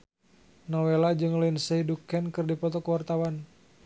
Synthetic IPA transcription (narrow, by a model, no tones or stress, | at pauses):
nɔwelad͡ʒɨŋlainsəidukɛnkɨrdipɔt̪ɔkəwart̪awan